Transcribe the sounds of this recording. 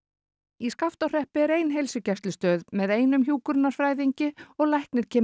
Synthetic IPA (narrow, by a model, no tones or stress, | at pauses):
iskaft̪awr̥ɛhpɪɛɾeːjnɦejlsʏcɛst̪lɪst̪œːðmɛðeːjnʏmçjuːkʏɾnaɾ̥fɾaːjðiɲcɪɔɣlajhknɪɾ̥cʰɛː